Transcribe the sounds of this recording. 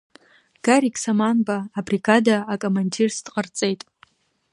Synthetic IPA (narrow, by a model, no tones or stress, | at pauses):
ɡ̥aɾikʼsamanbaːbriɡadaːkʼomandirsd̥qʼərt͡sʼe̞jtʼ